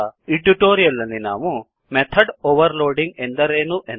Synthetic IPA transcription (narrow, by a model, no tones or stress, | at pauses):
iʈuʈoːɾijɐlːɐnːina̰ːmu | met̪ʰɐɖoʋɐɾloːɖiŋɡend̪ɐɾeːnuʔen